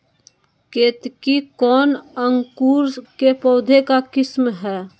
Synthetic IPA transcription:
keːt̪kikɔːnəŋkuːɾkepɔʊd̪ʱekakɪsmɦɛː

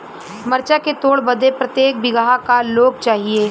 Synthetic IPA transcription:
mɐɾt͡ʃaket̪oːɽbɐd̪epɾɐt̪jeːk̚bɪɡaɦakaloːɡ̚t͡ʃaːɦieː

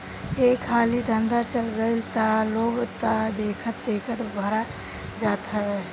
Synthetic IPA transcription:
ekʰːaːlid̪ʱə̃nd̪at͡ʃəlɡəɪlt̪aloːɡt̪ad̪eːkʰət̪̚d̪ekʰət̪bʱəɾa | d͡ʒat̪ɦəbe

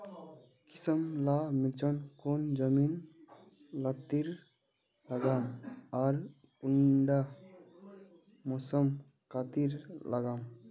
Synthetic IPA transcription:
kisəmlamiɾt͡ʃənkond͡ʒəmin | lat̪ːiɾ | ləɡamaɾ | kuɳɖa | mosəm | kat̪iɾlʔaɡam

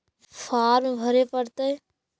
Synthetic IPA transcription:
fʰaːɾbʱəɾeːpəɾt̪ə

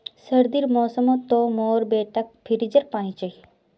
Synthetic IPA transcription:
səɾd̪iːɾmoːsəmot̪omoːɾbeːʈak̚pʰiɾid͡ʒəɾpaːɽ̃it͡ʃɐj

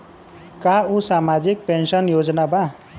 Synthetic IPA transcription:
kausamad͡ʒik̚pensənjod͡ʒnaba

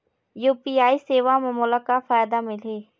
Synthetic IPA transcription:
juːpiːaːiseːʋamɐmʊːlakafaːjd̪amɪleː

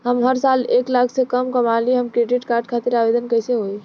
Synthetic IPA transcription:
ɦəmɦəɾsaleklakʰsekəmkəmaliɦəmkɾeɖiʈkaɾʈ̚kʰat̪iɾabed̪ənkəjseɦoj

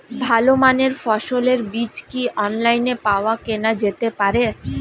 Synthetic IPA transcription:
bʱalomaneɾfɔʃoleɾbit͡ɕkiʔɔnlajnepaoakenad͡ʑet̪epaɾe

